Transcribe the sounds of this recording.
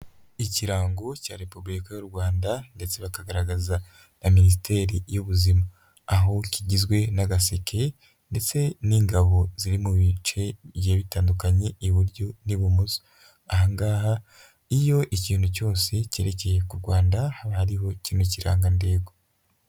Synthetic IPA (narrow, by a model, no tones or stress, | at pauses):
iciɾaːŋɡoca̰ːɾe̞pubuɾikajuɾɡwaːndande̞t͡se̞βakaɡaɾaɡaza | aminis̬ite̞ːɾijuβuzimaː | ɦociɟizɡwe̞naɡasekʰe̞ | nde̞t͡se̞niːŋɡaβo̞ziɾimuβit͡ʃe̞βjeːβitaːndukaɲe̞iβuɾɟoniβumuzo̥ | ahaŋɡaːha | ijo̞ʔiciːnhuco̞ːse̞ce̞ːɾe̞ce̞je̞kuɾɡwaːndahaβahaɾiɦo̞ciːnhuciɾa̰ːŋɡande̞ːɡo